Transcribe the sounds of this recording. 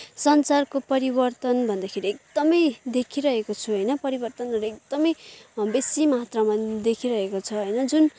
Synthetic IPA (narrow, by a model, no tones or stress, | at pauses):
sʌnt͡sarkopʌɾibʌrt̪ʌnbʱʌnd̪akʰeɾiek̚d̪̥ʌmʌjd̪ekʰiɾʌɦekot͡sʰuɦʌjnʌpʌɾibʌrt̪ʌnʌɾʌek̚d̪̥ʌmʌjbesimat̪ramad̪ekʰiɾʌɦekot͡sʰʌɦʌjnʌd͡zun